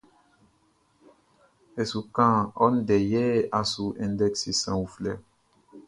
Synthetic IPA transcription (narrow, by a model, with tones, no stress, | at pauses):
e˨su˨kã˦˨ɔ˦ndɛ˨jɛ˦a˨su˨ʔɛ̃˨ndɛ˦ksi˨sã˨u˨flɛ̰˦˨